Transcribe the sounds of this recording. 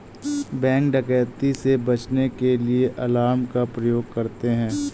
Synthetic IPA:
bɛ̃ːŋk̚ɖɐkɛːt̪isebɐt͡ʃnekelieʔɐlaːmkapɾɐjoːɡ̚kɐɾt̪eɦɛ̃ː

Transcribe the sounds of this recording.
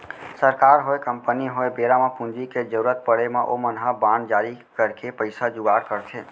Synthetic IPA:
səɾkaɾɦoekəmpəniɦoebeɾamãpũnd͡ʒiked͡ʒəɾuɾət̪̚pəɽemãʔomənɦabãnd͡ʒaɾikəɾkepəɪsad͡ʒuɡaɾkəɾt̪ʰe

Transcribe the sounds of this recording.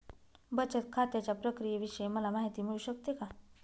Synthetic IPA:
bət͡ʃət̪̚kʰat̪jat͡ɕapɾəkɾijeʋiʃəeməlamaːɦit̪iːmiɭuʃək̚t̪eka

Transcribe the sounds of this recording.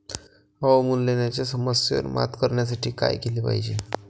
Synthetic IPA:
aʋmullenjat͡ɕjasəməsjo̰nma̰t̪kəɾɳjas̬aʈʰiːka̰jkeliːpa̰ɦid͡ʑe

